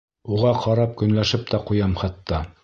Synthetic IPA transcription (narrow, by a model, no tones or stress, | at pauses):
uʁɑqɑɾɑp̚kɵ̆nlæʃɘp̚t̪ɑqujɑmχɑt̪ːɑ